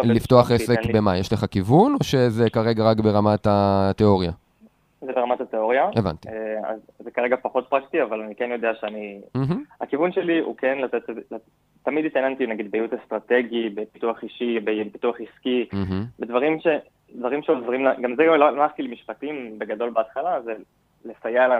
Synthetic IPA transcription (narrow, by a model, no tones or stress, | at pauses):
lift̪o̞aχesekbemajeʃleχakivuno̞ʃe̞zekaʁe̞ɡaʁakbe̞ʁamat̪at̪eo̞ʁja | zebeamat̪at̪eo̞ʁjaeva̰nt̪ia̰zːekaʁeɡapaχo̞t̪̚pʁakt̪iavalanikenjo̞d̪eaʃeanim̩ɦm̩akivunʃeliʔṵkenlat̪et̪la | t̪ːamid̪itajant̪inaɡid̪̚bejut̪est̪ʁat̪eɡibe̞pituaχiʃibepituaχiskiɦm̩bed̪vaʁimʃe̞ | d̪vaʁimʃeovʁimlaɡamzealalamaχt̪ilemiʃpatimbe̞ɡado̞lbeat̪χalaze | lefajala